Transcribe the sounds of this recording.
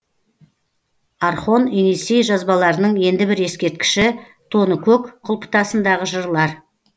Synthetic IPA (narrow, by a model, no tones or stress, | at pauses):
ɑɾχo̞ninisejʒɑzbɑlˠɑɾənəɴe̞nd̪ɪbɪɾe̞skʲe̞ɾt̪̚kʲɪ̥ʃɪ | t̪ʰo̞nəkʲʰɵkqʰʊlˠpʰə̥t̪ɑsənd̪ɑʁəʒəɾlˠɑɾ